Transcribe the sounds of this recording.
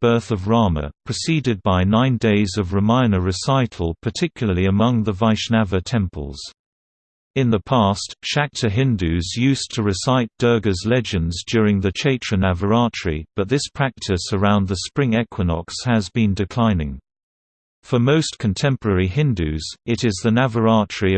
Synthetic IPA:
b̥ɜˑ˞θʌvɹɑmə̰pʰɹ̥ɨsidɨd̚baɪnãɪ̃ndeɪzʌvɹəmãɪ̃nəɹɨsaɪɾʰˡl̩ˠpʰə˞tʰɪkʰjl̩ˠəliəmʌ̃ŋðəvaɪʃnævətʰɛ̃mpʰə̰lˠz̥ | ɨ̃nðəpʰæˑstʃæk̚tʰəɦɪ̃ndʉzjʉstʰəɹɨsaɪt̚d̥ɜ˞ɡəzlɛd͡ʒɨ̃ndzdjɔɹɪ̃ŋðɨt͡ʃʰeɪt͡ʃɹ̥ɨnævə˞ɑˑt͡ʃɹ̥ḭb̥ʌt̪̚ðɪspʰɹ̥æk̚tʰɪsə˞ãʊ̃nðəspɹɪ̃ŋɛkʰwənɑ̰kshəzbĩndɨkʰl̥ãɪ̃nɪ̃ŋ | fəmoʊskʰə̃n̩tʰɛ̃mpə˞ɛɹiɦɪ̃ndʉz̥ɪɾɪzðənævə˞ɑˑt͡ʃɹ̥i

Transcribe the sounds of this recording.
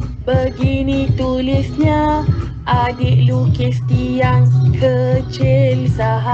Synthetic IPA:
bəɡinĩt̪ulɪsɲa | ʔadɪʔlukist̪iaŋkʰət͡ʃɪlsaɦa

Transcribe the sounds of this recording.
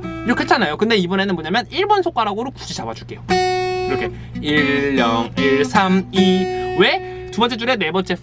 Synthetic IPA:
iɾʌk͈ʰet͡ɕʰanːajokɯnde̞ibʌne̞nɯnmoɲamjʌniɭbʌnsʰok͈aɾaɡoɾoku̥d͡ʑʰid͡ʑabad͡ʑuɭk͈e̞joiɾʌkʰe̞ | iɭːʌŋiɭsʰamiwe̞ | tubʌnt͡ɕ͈ed͡ʑuɾe̞ne̞bʌnt͡ɕ͈ʰe

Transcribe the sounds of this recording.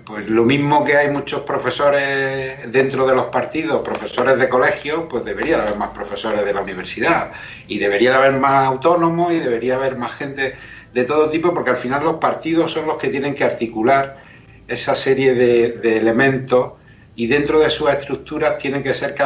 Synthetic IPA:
pwe̞zlo̞mĩɦmo̞keajmut͡ʃo̞hpɾo̞fe̞so̞ɾe̞ | ðe̞nt̪ɾo̞ð̞e̞lo̞hpaɾt̪iðo̞hpɾo̞fe̞so̞ɾe̞zðe̞ko̞le̞xjo̞pwe̞zðe̞βe̞ɾiaðaβe̞ɾmahpɾo̞fe̞so̞ɾe̞zð̞e̞launiβ̞e̞ɾsiða | iðe̞βe̞ɾiaðaβe̞ɾmasawt̪o̞nõ̞moiðe̞β̞e̞ɾiaːβ̞e̞ɾmahxẽ̞nt̪e̞ðe̞t̪o̞ðo̞t̪ipo̞po̞ɾke̞alfinalːo̞hpaɾt̪iðo̞sːo̞nlo̞hke̞t̪je̞nẽŋke̞aɾt̪ikulaɾ | e̞sase̞ɾje̞ðe̞ðe̞ːle̞mẽnt̪o̞s | iðe̞nt̪ɾoðe̞suse̞st̪ɾuk̚t̪uɾat̪jeneŋke̞se̞ɾka

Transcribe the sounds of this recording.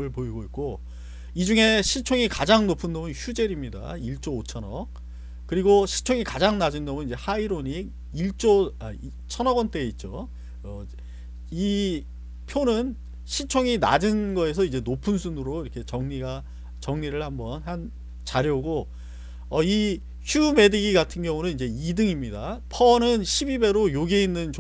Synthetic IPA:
ɯɭpoiɡoit̚k͈o | id͡ʑuŋe̞ɕʰit͡ɕʰoŋikad͡ʑaŋnopʰɯndomunçud͡ʑe̞ɾimɲida̰iɭt͡ɕ͈oot͡ɕʰʌnʌ | kɯɾiɡoɕʰit͡ɕʰoŋikad͡ʑaŋnad͡ʑɯndʌmɯnid͡ʑe̞haiɾoɲi | iɭt͡ɕ͈oa | t͡ɕʰʌnʌɡʌnt͈e̞ːit̚t͡ɕ͈o | ʌ | i | pʰjonɯn | ɕʰit͡ɕʰoŋina̰d͡ʑɯnɡʌe̞s̬ʰʌid͡ʑe̞nopʰɯnsʰunɯɾoiɾʌkʰe̞t͡ɕʌŋɲiɡa | t͡ɕʌŋɲiɾɯɭhambʌnhan | t͡ɕaɾjʌuɡo | ʌi | çjume̞dɯɡiɡatʰɯnɡjʌŋunɯnid͡ʑe̞idɯŋimɲidapʰʌnɯnɕʰibibe̞ɾojoɡe̞inːɯnt͡ɕ

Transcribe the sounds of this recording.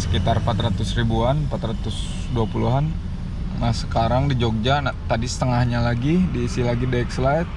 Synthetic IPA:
sə̥kit̪armpat̪ɾat̪ʊsribuanpat̪ɾat̪ʊs | duapuluɦan | nahsəkaɾaŋdid͡ʒok̚d͡ʒanat̪adisə̥t̪əŋahɲalaɡidiːsɪlaɡidakslat̪̚

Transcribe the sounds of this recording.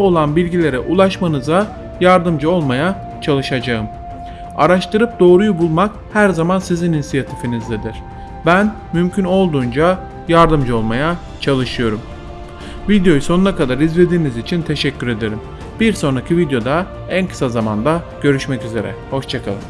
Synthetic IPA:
o̞lˠanbilʲɟilʲe̞ɾɛʔulˠaʃmanɯza | jaɾd̪ɯmd͡ʒɯo̞lˠmaja | t͡ʃʰalˠɯʃad͡ʒaɯm | a̰ɾaʃt̪ɯɾɯp̚d̪o̞ːɾujubulˠmak̚ | hæɾzamansizininsijat̪ʰifinizd̪ɛd̪iɾ̥ | bæn | mymcʰyno̞lˠd̪uːnd͡ʒa | jaɾd̪ɯmd͡ʒɯo̞lˠmaja | t͡ʃʰalˠɯʃɯjo̞ɾum | vid̪jo̞juso̞nunakad̪aɾizve̞d̪iːnizit͡ʃʰint̪ʰe̞ʃɛcʰːyɾe̞d̪e̞ɾim | b̥iɾso̞nɾacʰivid̪jo̞d̪a | ænkʰɯ̥sazama̰nd̪a | ɟ̥ø̞ɾyʃmɛcyze̞ɾɛ̰ho̞ʃt͡ʃʰakʰalˠɯ̰m

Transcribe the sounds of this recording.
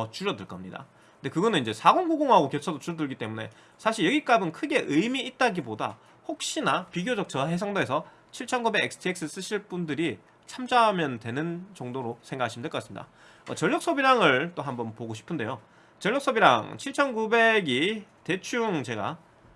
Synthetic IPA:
ʌt͡ɕuɾjʌdɯɭk͈ʌmɲida̰ | nde̞kɯɡʌnɯniɲd͡ʑe̞sʰaɡonɡuɡoŋɦaɡokjʌt͡ɕʰʌdot͡ɕuɾʌdɯɭɡit͈e̞mune̞̰ | sʰaɕʰiɭjʌɡik͈abɯnkʰɯɡe̞ʔɯjmiːt̚t͈aɡiboda̰ | hok̚ɕ͈inapiɡjod͡ʑʌk̚t͡ɕ͈ʰʌɦes̬ʰʌŋdoe̞sʰʌ | t͡ɕʰiɭt͡ɕʰʌnɡube̞ɡeks͈ʰɯ̥tʰek̚s͈ɯs͈ɯɕʰiɭp͈undɯɾi | t͡ɕʰamd͡ʑaːmjʌndwe̞nɯnt͡ɕʌŋdoɾosʰeŋɡakʰaɕʰimndek͈ʌasɯmɲḭd̥a̰ | ʌ̰t͡ɕʌʎjʌk̚s͈ʌbiɾaŋɯɭt͈oɦambʌnpoɡoɕʰi̥pʰɯnde̞̰jo | t͡ɕʌɭːjʌk̚s͈ʌbiɾa̰ŋt͡ɕʰiɭt͡ɕʰʌnɡube̞ɡite̞t͡ɕʰuŋt͡ɕe̞ɡa̰

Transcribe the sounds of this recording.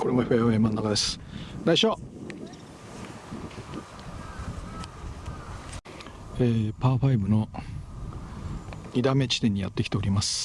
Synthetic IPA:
koɾemoipajoemãnːakad̪e̞sɨ̥d̪aiɕoː | eːpaːɸaibɯ̟no̞ | id̪ame̞t͡ɕi̥t̪ẽɲ̟ːija̰t̪ːe̞kʲi̥t̪e̞o̞ɾʲimasɨ̥

